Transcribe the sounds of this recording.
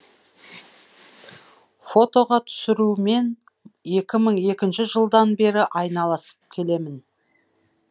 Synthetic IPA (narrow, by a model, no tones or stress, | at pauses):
fo̞t̪o̞ʁɑt̪ʰʏ̥sɪɾume̞n | e̞kʲɪməɴe̞kʲɪnʃɪʒəlˠd̪ɑnbe̞ɾɪʔɑjnɑlˠɑsə̥p̚kʲʰe̞le̞mɪn